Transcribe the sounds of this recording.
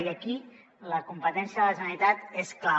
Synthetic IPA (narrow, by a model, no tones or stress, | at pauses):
iaki | ləkumpət̪ɛnsjəðələsənit̪at̪eskla